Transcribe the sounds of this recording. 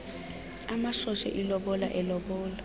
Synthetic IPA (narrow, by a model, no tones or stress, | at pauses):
amaʃɔʃɛ̰ʔilɔɓɔlaʔɛlɔɓɔːlɔ